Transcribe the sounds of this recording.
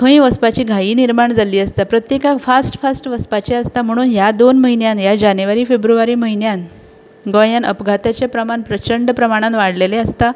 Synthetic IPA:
kʰə̃ĩʋəspat͡ɕiːɡʱajiːniɾmaɳd͡zaliːəst̪apɾət̪jekafasʈfasʈʋəspat͡ɕeəst̪am̤əɽ̃uːnjad̪onməɦinjãnjad͡ʑanjuʋaɾiːfebɾuʋaɾiːməɦinjan | ɡə̃janəpɡʱat̪jat͡ɕepɾəmanpɾət͡ɕəɳɖpɾəmaɽ̃ãnt̪ʋaɽleleəst̪a

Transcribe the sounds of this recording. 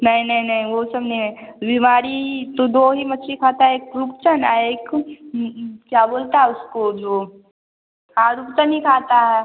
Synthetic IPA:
nɐɦĩnɐɦĩnɐɦĩʋosɐbneẽbimaːɾiɦit̪od̪oːɦimɐtːʃʰikʰaːt̪aɦɛeːkɾupt͡ʃəna̰eːk | kjaːboːlt̪aɦɛʊskod͡ʒoː | ãɾupt͡ʃənɦikʰaːt̪aɦɛ

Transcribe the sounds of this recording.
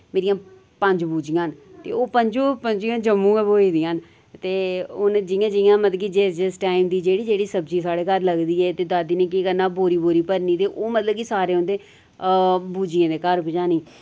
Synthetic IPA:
meːɾijãː | pəɲd͡ʒbuːd͡ʒɪjãːnt̪ḛːoːpəɲd͡ʒoːpəɲd͡ʒijãːd͡ʒəmːũːɛ̃boːiːd̪iãːn | t̪eːʊnd͡ʒɪjãːd͡ʒɪjãːmət̪ləkid͡ʒed͡ʒəsʈaːimd̪iːd͡ʒeːɽiːd͡ʒeːɽiːsəbd͡ʒiːsaːɽeːkəɾləɡd̪iːɛːt̪eːd̪aːd̪iːnẽːk̬iːkəɾnãːboːɾiːboːɾiːpəɾniːt̪eːʔoːmət̪ləb̚kiːsaːɾeːʊ̃nd̪eː | buːd͡ʒɪjãːd̪eːkəɾpɪd͡ʒãːniː

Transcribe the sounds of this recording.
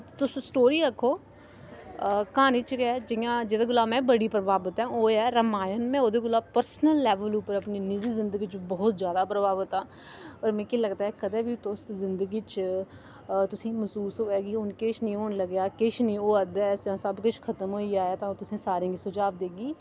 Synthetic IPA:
t̪ʊssʈoːɾiːɾəkʰːoː | kaːniːt͡ʃkɛːd͡ʒɪjãːd͡ʒeːd̪eːɡʊlaːmɛ̃ːbəɽiːpɾəbaːbət̪ãːoːɛːɾəmaːjənmɛ̃ːoːd̪eːɡʊlaːpəɾsnəlːɛːʋəluːpəɾəpniːnɪziːzɪ̃nd̪əɡiːt͡ʃbɔːt̪zjaːd̪aːpɾəbaːʋət̪ãː | ɔːɾmɛ̃ːkiləɡt̪aːɦɛːkəd̪əbiːt̪ʊszɪnd̪əɡiːt͡ʃ | t̪ʊsĩːməsuːsɦoːɛːkiʊnkɪt͡ʃʰnĩːoːɳləɡjaːkɪt͡ʃʰnĩːoːəd̪ɛsd͡ʒãːsəbkʊt͡ʃʰkʰət̪əmɦoːiːaːaːt̪ãːt̪ʊsĩːsaːɾĩãɡisʊd͡ʒaːʋd̪eːɡiː

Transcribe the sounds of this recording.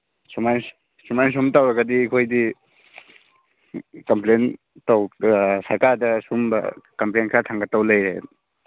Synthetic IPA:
sumajn | sumajns̬umtawɾɐɡɐdiːkʰojdi | kɐmplen | tawsaɾkaɾdɐsumbɐ̰kɐmplenkʰatʰaŋɡɐtawlɐjɾe

